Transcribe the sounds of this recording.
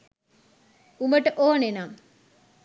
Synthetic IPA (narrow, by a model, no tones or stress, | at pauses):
uməʈəʔoːnenam